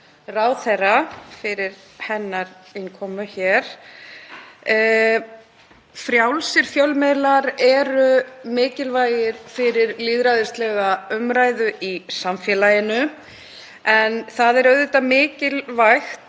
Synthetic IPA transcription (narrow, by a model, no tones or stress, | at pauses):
raːwθɛrːafɪɾɪɾ̥ | hɛnːaɾɪnkʰɔːmʏçɛɾ̥ | fɾjawlsɪɾ̥fjœlmelaɾɛɾʏmɪːcɪlvaːjɪɾ̥fɪɾɪɾliðɾajðʏst̪lɛɣaʏmɾaːjðʏisamfjɛlajɪnʏ | ɛnθaðɛɾœɥðʏt̪amɪːcɪlvajxt̪